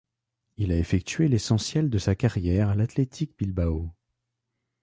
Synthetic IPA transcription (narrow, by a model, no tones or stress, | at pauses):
ilaefɛk̚t̪ɥelesɑ̃sjɛld̪əsakaʁjɛʁalat̪let̪ʰik̚bilbao